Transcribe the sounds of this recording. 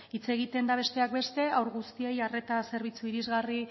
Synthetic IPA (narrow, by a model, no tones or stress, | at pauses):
it͡se̞ɣ̞it̪e̞nd̪aβ̞e̞st̪e̞ak̚be̞st̪e̞awɾɣust̪ie̞jare̞t̪ase̞ɾβ̞it͡suiɾizɣari